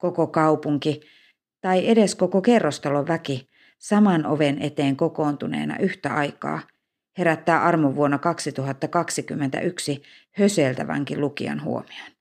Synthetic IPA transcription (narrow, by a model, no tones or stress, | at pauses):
kokokɑupuŋki | t̪ɑiʔedeskokokerːost̪ɑloʋʋæki | sɑmɑno̰ʋenʔet̪eːŋkokoːnt̪unḛːnɑ̰ʔyht̪æɑikɑ̰ː | heɾæt̪ːæːʔɑrmoʋːuonːɑkɑksit̪uhɑt̪ːɑkɑksikymːent̪æ̰ʔyksi | høselt̪æʋæ̰ŋkilukḭɑ̰nhṵo̰miɑn